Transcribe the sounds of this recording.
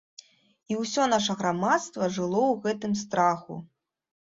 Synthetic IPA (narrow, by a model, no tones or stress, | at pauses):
iwsʲɔnaʂɐɣɾamat̪st̪vɐʐɨlˠɔwɣɛt̪ɨmst̪ɾaxṵ